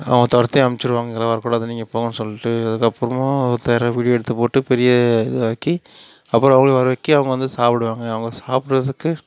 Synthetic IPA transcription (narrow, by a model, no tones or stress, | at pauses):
ɐ̰ʋɐŋɡɐt̪ɔɾɐt̪ːijɐmt͡ʃːɪɾɯʋaːŋɡɐŋɡɐlaːʋɐɾɐkːuːɽɐɐðɐniːŋɡɐpːoːŋɡɐnːɯsɔlːɪʈːɯɐðɯkːɐpːɯɾɐmːt̪ɐjɾɐʋiːɽɪjoːɛɽɯt̪ːɯpoːʈːɯpɛɾɪjɐɛðɯʋaːkːi | ɐpːɯɾõɐʋɐŋɡɐɭʋɐɾɐʋɐːkːiɐʋɐŋɡɐʋɐnd̪ɯsaːpɪɽɯʋaːŋɡɐːʋɐŋɡɐsaːpɪʈɾɐðɯkːɯ